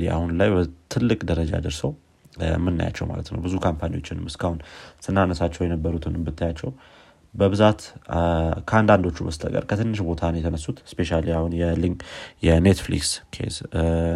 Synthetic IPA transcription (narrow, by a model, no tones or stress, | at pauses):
lia̰hunlajbət̪ʰɨlːɨkʼd̪əɾəd͡ʒa̰d̪əɾsəw | mːɨnːa̰ja̰t͡ʃːɛ̰wma̰lət̪nə̰wbɨzukʰampʰanio̞t͡ʃːɪnɨmɨskʰahunsɨnːanəsat͡ʃːɛwjɛnəbːəɾut̪ʰɨnɨmbɨt̪ʰːajat͡ʃːɛw | bəβɨzat̪ | kʰəand̪and̪o̞t͡ʃːubəsɨt̪ʰʼə̰kʼə̰ɾkʰət̪ʰɨnːɨʃbo̞t̪ʰanjɛt̪ʰənəsːut̪spe̞ʃaliahunjɛliŋjɛnet̪flḭkskʰḛz